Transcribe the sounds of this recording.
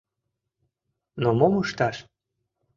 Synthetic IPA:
nomomɯʃt̪ɑʃ

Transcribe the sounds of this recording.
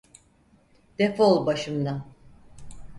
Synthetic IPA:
d̪̥efolˠbaʃɯmd̪an

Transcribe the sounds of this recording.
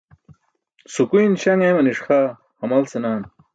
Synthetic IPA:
sukujnɕɐŋɐjmɐniʂxa | hɐmɐlsenaːn

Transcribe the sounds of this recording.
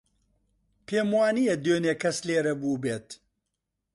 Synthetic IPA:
pʰeːmwaːnijɛd̪øːneːkʰɐsleːɾɐbuːbeːt̪

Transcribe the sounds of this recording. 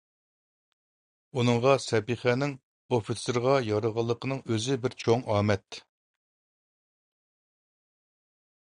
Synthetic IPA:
unɨŋʁɑsɛpiχɛnɪŋ | ofɨsɪɾʁɑjɑɾəʁɑlˠːəqʰənɨŋøzɪbɪɾt͡ʃʰoŋɑːmɛt̪

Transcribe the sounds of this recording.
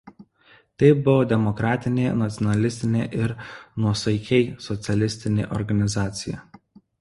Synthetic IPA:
t̪ɐɪbʊʋoːd̪ʲɛmɔkɾɑːt̪ʲɪnʲeːnɐt̪ʲɔnɐlʲɪsʲt̪ʲɪnʲḛːʔɪɾnuɔsɐɪkʲɛɪsɔt̪sʲɛlʲɪsʲt̪ʲɪnʲḛːʔɔ̰ɾɡɐnʲɪzɑːt̪sʲɪjɛ̰

